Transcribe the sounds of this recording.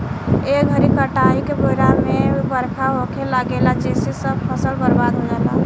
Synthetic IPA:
eɡʱəɾikəʈaikepoiɾamebəɾkʰaɦokʰelaɡelat͡ʃesisəb̚pʰəsəlbəɾbad̪ʱɦonɛla̰

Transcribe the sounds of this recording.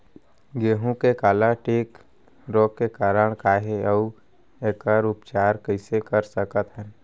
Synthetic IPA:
ɡeːɦũkekaːlaʈeːk | ɾɔːkkːekaːɾəɽ̃kaːɦeəu | eːkəɾʊpt͡ʃaːɾkəɪsekəɾsəkət̪ɦə̃n

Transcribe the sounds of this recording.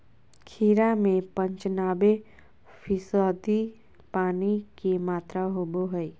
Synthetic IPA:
kʰiːɾamẽpə̃ɲt͡ʃənaːbe | pʰɪsaːd̪i | paːnikimaːt̪ɾaɦoboɦəi

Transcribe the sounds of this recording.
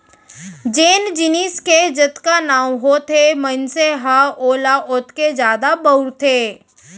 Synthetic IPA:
d͡ʒeːnd͡ʒɪniːsked͡ʒɐt̪kanaːw̃ɦot̪ʰemənseɦaoːlaʔʊt̪ked͡ʒjaːd̪abəʊɾt̪ʰeː

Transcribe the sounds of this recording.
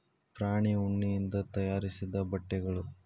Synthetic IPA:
pɾaːɳiuɳːijind̪ɐt̪ɐjaːɾisid̪ɐbɐʈːɛɡɐɭu

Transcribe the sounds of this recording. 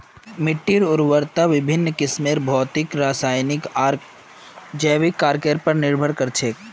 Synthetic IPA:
mɪʈːiɾʊɾwəɾt̪aʋɪbʱɪnːkɪsmeːɾbʱɔːt̪ɪkɾaːsaːjnɪkaːɾk | d͡ʒɛːʋɪkːaːɾkeɾpɐɾnɪɾbʱəɽkɐɾt͡ʃʰeːk

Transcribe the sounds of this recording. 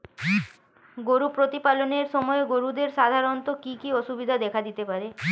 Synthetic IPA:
ɡoɾupɾot̪ipaloneɾʃɔmɔeɡoɾud̪eɾʃad̪ʱaɾont̪okikioʃubid̪ʱad̪ɛkʰad̪it̪epaɾe

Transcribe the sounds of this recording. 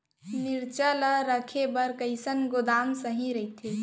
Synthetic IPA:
niɾt͡ʃələɾəkʰebəɾkəɪsənɡod̪amsəɦĩɾəit̪ʰi

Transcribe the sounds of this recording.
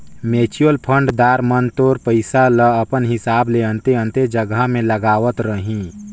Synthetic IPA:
meːt͡ʃuəlpʰə̃ɳɖd̪aːɾmənt̪oːɾpəɪsaləɐpənɦɪsaːbleə̃nt̪eə̃nt̪ed͡ʒəɡamẽləɡaːʋət̪ɾəɦĩː

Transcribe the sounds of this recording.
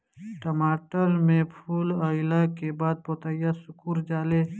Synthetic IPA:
ʈəmaːʈəɾmẽpʰuːləɪlakebaːd̪̚poːt̪ajasʊkuːɾd͡ʒaːle

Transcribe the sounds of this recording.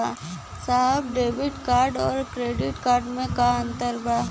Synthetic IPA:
a | saɦəbɖeːbɪʈkaːɾɖɔːɾkɾeːɖɪʈkaːɾɖmẽkaə̃nt̪əɾba

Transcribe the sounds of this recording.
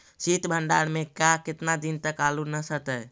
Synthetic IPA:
sit̪bʱəɳɖaɽmekakɪt̪nad̪int̪əkalunəsət̪əj

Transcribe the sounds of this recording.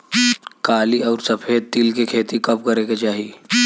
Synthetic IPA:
kaːliɔːɾsɐpʰeːd̪̚t̪ilkekʰeːt̪ikɐpkɐɾeked͡ʒaːɦiː

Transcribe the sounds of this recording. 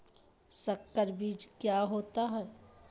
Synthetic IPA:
səkːəɾbiːd͡ʒkjaɦoːt̪aɦɛː

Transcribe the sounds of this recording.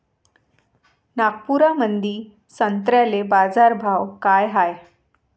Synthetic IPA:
naɡ̚puɾamənd̪iː | sənt̪ɾjalebad͡zaɾbʱawkajɦaj

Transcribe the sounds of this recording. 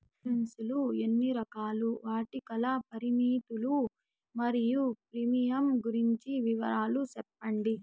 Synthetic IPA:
ensuluenːiɾɐkaːluʋaːʈikɐlɐpɐɾimiːt̪ulu | mɐɾijupɾimijɐmɡuɾiɲt͡ʃiʋiʋɐ̰ɾaːlusɛpːɐɳɖi

